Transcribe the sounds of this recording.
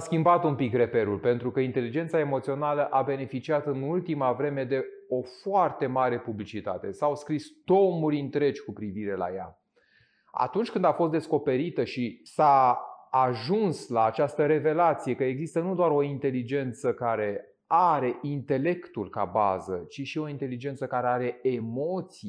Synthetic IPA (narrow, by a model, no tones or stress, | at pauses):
skʲimbat̪umpikre̞pe̞ɾulpe̞nt̪ɾukəint̪e̞lid͡ʒe̞nt̪sae̞mo̞t̪sio̞naləʔabe̞ne̞fit͡ʃiat̪ɨnult̪imavɾe̞me̞d̪e̞o̞foart̪e̞maɾe̞publit͡ʃit̪a̰t̪e̞̰sawskɾist̪o̞muɾʲint̪ɾe̞d͡ʒʲkupɾiviɾe̞la̰ja̰ | a̰t̪unt͡ʃʲkɨnd̪afo̞st̪d̪esko̞pe̞ɾit̪əʃisaː | ʒunslaːt͡ʃast̪əɾe̞ve̞lat̪sije̞kəeɡzist̪ənud̪oaɾo̞int̪e̞lid͡ʒe̞nt̪səkaɾe̞ | aɾe̞ʔint̪e̞le̞kt̪ulka̰ba̰zə̰t͡ʃiʃio̞int̪e̞lid͡ʒe̞nt̪səkaɾe̞aɾe̞emo̞t̪si